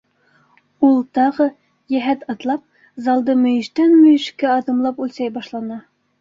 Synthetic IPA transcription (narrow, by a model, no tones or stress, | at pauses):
ulˠt̪ɑʁɤ | jæɦæt̪ɑt̪lˠɑp̚ | zɑlˠd̪ɤmɵ̆jɘ̆ʃt̪ænmɵ̆jɘ̆ʃkæɑðɤ̆mlˠɑpʉlʲsæjbɑʃlˠɑnɑ